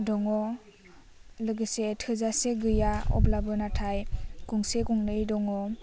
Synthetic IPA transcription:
dɔŋɔ | lɯɡɯsetʰɯzaseɡɯjaɔ̰blabɯnatʰajɡ̥uŋseɡuŋnɯjdɔŋɔ

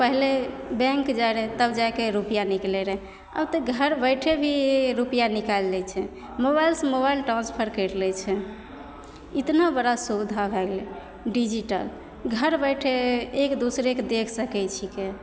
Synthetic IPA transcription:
pəɦlebɛ̃ŋkd͡ʒaɾɛt̪əbd͡ʒajkeɾupijaniklɛɾɛ | ə̰bt̪əɡʱəɾbəjʈʰebʱiɾupijanikalːɛt͡ʃʰɛ | mobajlsəmoβajlʈɾãnspʰəɾkəɾlɛt͡ʃʰɛ | it̪nabəɽasud̪ʱabʱɛɡlɛ | ɖid͡ʒiʈə̰l | ɡʱəɾbəjʈʰeːkd̪usɾekd̪ekʰsəkɛt͡ʃʰike

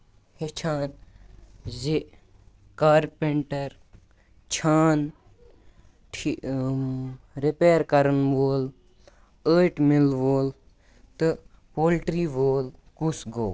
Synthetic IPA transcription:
het͡ʃʰaːn | ze | kaːɾpeɳʈɐɾ | t͡ʃʰaːn | ʈʰi | ɾipeːɾkɐɾənʋoːl | əːʈmilʋoːl | t̪ɨ | poːlʈɾiːʋoːlkusɡoː

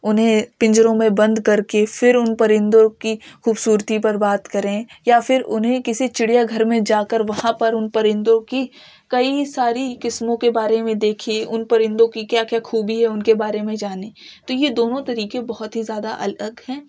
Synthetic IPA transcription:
ʊnɦẽpɪ̃ɲd͡ʒəɾõmẽbɐ̃nd̪kɐɾkefɪɾʊnpɐɾɪ̃nd̪õkixuːbsuːɾt̪ipɐɾbaːt̪kɐɾẽjafɪɾʊ̰nɦẽkɪsit͡ʃɪɽijaɡʱɐɾmẽd͡ʒaːkəɾʋɐɦãpɐɾʊnpɐɾɪ̃nd̪õki | kɐisaːɾikɪsmõkebaːɾemẽd̪eːkʰeʊnpɐɾɪ̃nd̪õkikjaːkjaːxuːbiɦɛʊnkebaːɾemẽd͡ʒaːneːt̪ojed̪oːnõt̪ɐɾiːkebɐɦʊt̪ɦizjaːd̪aʔɐ̰ləɡɦɛ̃ː

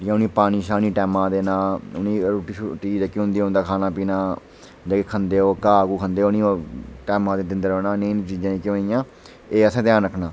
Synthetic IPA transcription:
jãːʊniːpaːniːʃaːniːʈɛːmãːd̪eːnaːʊnĩːɾoːʈiːʃʈiːd͡ʒəkiɦʊ̃nd̪iːɦʊ̃nd̪aːkʰaːnãːpiːnãː | d͡ʒekeːkʰənd̪eːoːkaːɡuːkʰənd̪eːonĩːʈɛːmãːd̪eːt̪ɪnd̪əɾoːnaːnẽnt͡ʃiːd͡ʒãːĩkɪoːnijãː | eːəsẽːt̪jaːnɾəkʰnãː

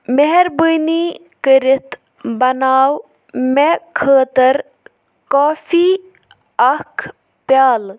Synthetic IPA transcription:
meɦeɾbujni | kəɾit̪ | bɐnaːw | mekʰəːt̪əɾ | koːfʰiː | ɐkʰ | pjaːl

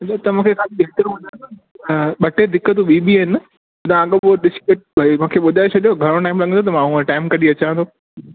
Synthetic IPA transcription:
ɗɐt̪ɐmũːkʰekaːliɓeːt̪əɾũɐ̃nd̪a | ɓɐʈed̪ɪkət̪̬uɓiːɓiɐɦɪn | ʊd̪ãɠəoɗɪskəʈ̚bʱaimũːkʰeɓʊd̪ʱaːet͡ɕʰɐɗijoɡʱɐɾ̃õʈaːɪmlɐɡə̃t̪ʰot̪̬ɐmãɦũə̃ʈaːɪmkɐɗiɐt͡ɕãə̃t̪ʰo

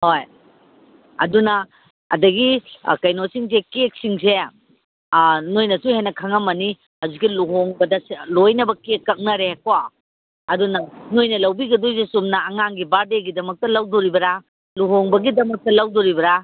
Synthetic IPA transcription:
hoj | ɐ̰dunɐ | ɐ̰dɐɡḭkɐjnosiŋsekek̚siŋse | nojnɐsuhenːɐkʰɐŋɐmːɐni | ɐzuɡiluɦoŋbɐdɐlojnɐbɐkekːɐk̚nɐɾekwa | ɐdunɐnojnɐlɐwbiɡɐdojsesumnɐːŋaŋɡibaɾdeɡidɐmɐk̚tɐlɐwdoɾibɐɾa | luɦoŋbɐɡidɐmɐk̚tɐlɐwdoɾibɐɾa

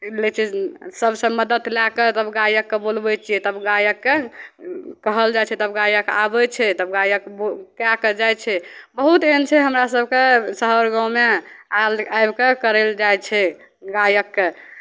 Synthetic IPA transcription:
let͡ʃʰisəbsə̃məd̪ət̪laket̪əbɡajəkːebolbɛt͡ʃʰijɛt̪əbɡajəkːe | kəɦəld͡ʒajt͡ʃʰɛt̪əbɡajəka̰bɛt͡ʃʰɛt̪əbɡajəkbokjakəd͡ʒajt͡ʃʰɛbəɦut̪ent͡ʃʰɛɦəmɾasəb̚ʱkesəɦəɾɡãwmeaajbkekəɾeld͡ʒajt͡ʃʰɛ | ɡajəkːe

